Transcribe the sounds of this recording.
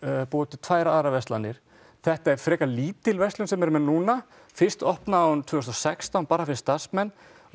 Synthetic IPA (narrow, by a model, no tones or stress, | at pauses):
pɔːt̪ʏt̪ʰvajɾaaːɾavɛst̪lanːɪɾ̥ | θɛht̪aɛɾ̥fɾɛːkaliːt̪ɪlvɛst̪lʏnsɛmɛɾmɛnuːna | fɪr̥st̪ɔhpnaaːwʏmt̪ʰvʏːst̪ɔsɛkst̪awnpaːɾafɪɾɪ̥st̪asmɛnː